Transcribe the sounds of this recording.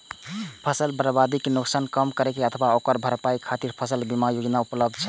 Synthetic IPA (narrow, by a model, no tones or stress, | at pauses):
pʰəsəlbəɾbad̪ikenuksankəmkəɾekeət̪ʰbaokəɾbʱəɾpaikʰat̪iɾpʰəsəlbimajod͡ʒnaupləbd̪̚t͡ʃʰɛ